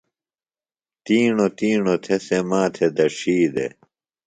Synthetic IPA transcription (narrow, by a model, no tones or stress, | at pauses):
t̪iːɳot̪iːɳot̪ʰesemãːt̪ʰed̪ɐʂiːd̪ḛ